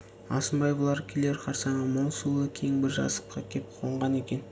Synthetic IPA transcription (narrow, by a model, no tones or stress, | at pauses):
ɑ̰səmbɑjbəlˠɑɾkʲʰele̞ɾqʰɑɾsɑɴəmolˠsulˠəkʲʰeŋbɪɾʒɑ̰sə̥qqʰɑkʲʰe̞p̚qʰo̞ɴʁɑne̞kʲe̞n